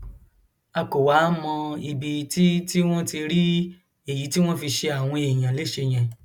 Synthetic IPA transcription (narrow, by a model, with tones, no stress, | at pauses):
a˧ko˨wa˨˦mɔ̃˧i˨bi˧ti˦ti˦w̃ɔ̃˦ti˧ɾi˦ | e˨ji˨˦ti˦w̃ɔ̃˦fi˧ʃe˧a˨w̃ɔ̃˧e˨j̃ã˨le˨˦ʃe˧˨j̃ɛ̃˨